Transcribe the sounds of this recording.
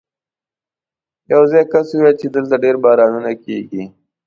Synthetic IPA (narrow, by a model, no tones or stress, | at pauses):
jɐwzajkasuwet͡ʃed̪əlt̪aɖeɾbaːɾaːnunakeːɡi